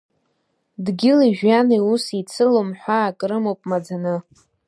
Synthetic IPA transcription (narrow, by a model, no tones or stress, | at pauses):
dɡʲɪliʒᶣaniusit͡sʰɨlomħʷaːkʼɾɨmowpʼmad͡zanɨ